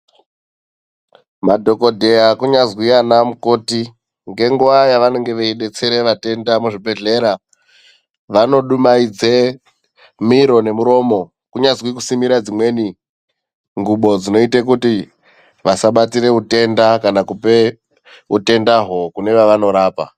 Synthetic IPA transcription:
madʱo̞ko̞dʱe̞jakuɲazwianamuko̞ːti | ŋɡe̞ŋɡuʋajaʋanoŋɡe̞ʋeiɗe̞t͡seɾe̞ʋate̞ndamuʐibʱe̞ɮe̞ɾa | ʋano̞ɗumaid͡ze | miɾo̞ne̞muɾo̞ːmo̞ | kuɲazwikusimiɾad͡zimwe̞ːni | ŋɡuɓo̞d͡zino̞itekuti | ʋasaɓatiɾe̞ute̞ndakanakupe | ute̞ndaɦo̞kune̞ʋaʋano̞ɾaːpa̰

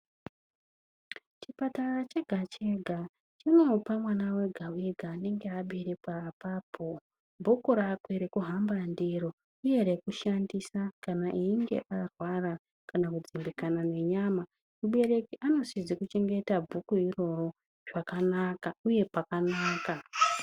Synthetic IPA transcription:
t͡ʃipatarat͡ʃeɡʱat͡ʃe̞ɡʱa | t͡ʃino̞pamwanawe̞ɡʱaweɡʱaːne̞ŋɡe̞aɓiɾepapaːpʰo | bʱukoɾakweɾekuɦambandiro̞ | uje̞ɾekuʃandisakanaʔiːŋɡe̞̰ʔarwara | kanakud͡zimbikanane̞ɲama | muɓe̞re̞kiano̞sizekut͡ʃe̞ŋɡe̞tabʱukuiro̞ro̞ | ʐ̥akanakauje̞pakanaːka

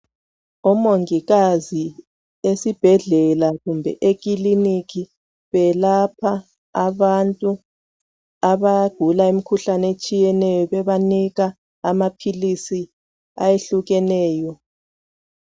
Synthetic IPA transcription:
ɔmoŋiɣazi | esib̥ʱɛɮɛlaɣumbʱɛ̰ʔek̬ʼilinikʰi | βɛlapʰa | aβantʼu | aβaɡ̥ʱulaimikʰuɬanet͡ʃʼijɛnɛjɔβɛβaniɣa | amapʰilisi | a̰jeɬuɣɛnɛːjɔ

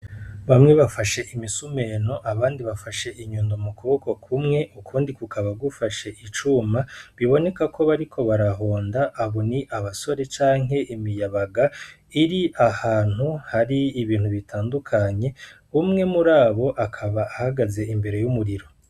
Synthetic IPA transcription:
βamŋe̞βafaʃe̞ʔimisume̞no̞ʔaβaːndiβafaʃe̞ʔiɲuːndomukuβoko̞kʰumŋe̞ʔukʰuːndikukʰaβaɡufaʃeʔit͡ʃuːmaβiβo̞ne̞kakʰo̞βaɾikʰo̞βaɾaɦo̞ːndaʔːβo̞niʔaβaso̞ɾe̞t͡ʃaːŋɦe̞ʔimijaβaɡa | iɾiʔahaːn̥huhaɾiːβiːnhuβitʰaːndukʰaɲe̞ | umŋe̞muɾaːβo̞ʔakʰaβaːhaɡaze̞imbe̞ɾe̞jumuɾiɾo̞

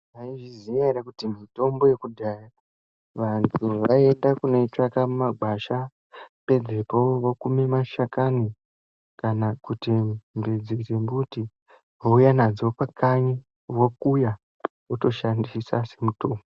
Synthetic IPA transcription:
aiʐiziɲaiɾakutimito̞mbo̞jekudʱaja | ʋantʰuʋae̞ndakune̞t͡ʂakamumaɡʱaʃa | pe̞d͡zepoʋokumemaʃakani | kanakutimbid͡zisembuti | ɦoujanad͡zopakʰaɲi | wokuja | uto̞ʃandiisase̞muto̞ːmbo

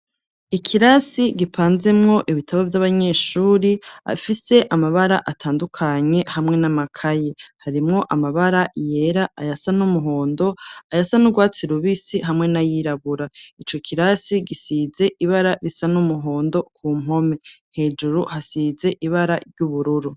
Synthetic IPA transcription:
ikʰiɾasiɡipʰaːnze̞mŋo̞ʔiβitʰaβavjaβaɲe̞ːʃuːɾia̰fise̞ʔamaβaɾaʔatʰaːndukʰaɲe̞hamŋe̞namakʰajehaɾimŋo̞ʔamaβaɾaje̞ɾaʔajasanumuɦo̞ːndo̞ajasanuɡwaːt͡siɾuβisiɦamŋe̞najiɾaβuɾait͡ʃo̞kʰiɾasiɡisize̞ʔiβaɾaɾisanumuɦo̞ːndo̞kʰuːm̥o̞me̞he̞ːd͡ʒuɾuhasize̞ʔiβaɾaɾɟuβuɾuɾu

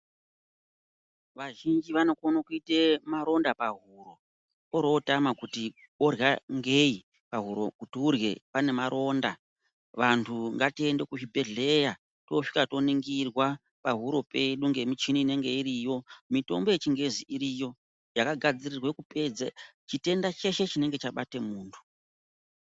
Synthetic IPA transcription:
ʋaʒind͡ʒiʋano̞konokuitemaɾo̞ndapaɦuɾo̞ | oɾo̞tamakuti | ɓo̞rjaŋɡei | paɦuɾo̞kutiurje̞pane̞maɾʔo̞ːnda | ʋantʰuŋɡatie̞nde̞kuʒibʱe̞ɮe̞ja | to̞ʂi̥kato̞niŋɡirwa | paɦuɾo̞pe̞ɗuŋɡe̞mit͡ʃiniːne̞ŋɡe̞iɾijo̞mito̞̰mbo̞jet͡ʃiŋɡe̞ziiɾijo̞ | jakaɡʱad͡zirirwekupe̞d͡za̰t͡ʃite̞ndat͡ʃe̞ʃe̞t͡ʃine̞ŋɡe̞t͡ʃaɓatemuːntʰu̥

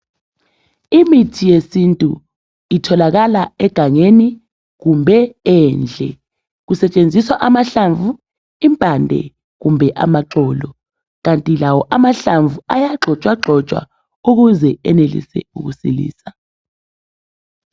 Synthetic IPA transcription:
imitʰijesintʼṵ | itʰɔlaɣ̬alaɛɡ̥ʱaŋeni | ɣumbʱɛɛːnd͡ɮʱɛ | kusɛt͡ʃʼend͡zʱiswaʔamaɬaɱvʱu | impʼandʱɛ̰ | ɣumbʱɛʔa̰maǁɔːlɔ | ɣantʼilawɔʔamaɬaɱvuajaǁʱɔt͡ʃʼwaǁʱɔt͡ʃʼwa̰ | uɣ̬uzɛɛnelḭsɛ̰uk̬usilḭːsa

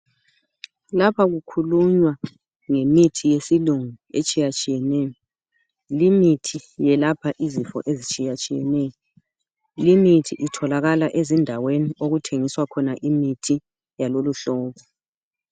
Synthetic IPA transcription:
lapʰaɣukʰuluɲwa | ŋemitʰijesiluŋuet͡ʃʼijat͡ʃʼijɛnɛjɔ | limitʰijɛlapʰaʔizifɔ̰ʔezit͡ʃʼijat͡ʃʼijɛ̰nɛjɔ | limitʰiʔitʰɔlaɣalaʔezindʱaweniʔoɣutʰeŋiswakʰɔnaʔimitʰi | jaloluɬɔːβɔ

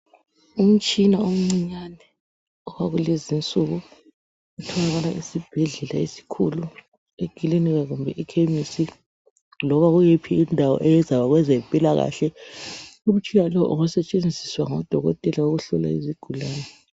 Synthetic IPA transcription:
um̩t͡ʃʼinaom̩ŋ͡ǀiɲanɛ | ɔɣaɣulezint͡sʼuɣu | ɣutʰɔlaɣana̰ʔisib̥ʱɛɮɛlaesi̥kʰulu | eɡ̥ʱiliniɣaɣumbʱɛʔikʰemisi | lɔβaɣujepʰiindʱawɔ̰ʔɛjɛzawaɣwɛzɛmpʼilaɣa̰ɬɛ | um̩ut͡ʃʰʼijalɔʔuɣusɛt͡ʃʼend͡zʱiswaŋɔd̥ʱɔɣɔ̰tʼɛlawoɣuɬɔla̰ḭziɡ̥ʱulaːnɛ

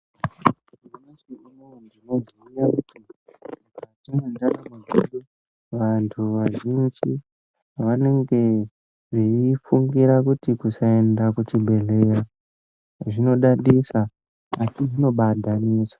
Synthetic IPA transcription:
net͡ʃiinondino̞ziujakutitatinendaramaɡuɗu | ʋantʰuʋaʒind͡ʒi | ʋane̞ŋɡe̞ | ʐiifuŋɡiɾakutikusae̞ndakut͡ʃibʱe̞ɮe̞ra | ʐino̞ɗaɗisa | asiʐino̞ɓadʱaniːsḁ

